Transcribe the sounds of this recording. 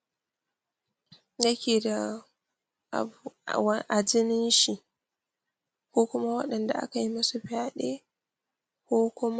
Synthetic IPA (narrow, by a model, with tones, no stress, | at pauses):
jɐ˦kʲeː˨da˨ | wʔa˨d͡ʒɪ˦nɪ˦nʃi˨ | kʷoː˦kʷʊ˦ma˦wɐ˦ɗɐ˨nda̰˨ʔa̰˦ka˨ji˦mɐ˦su˨ɸɪ˦a˨ɗeː˦ | kʷoː˦kʷʊ˦m˦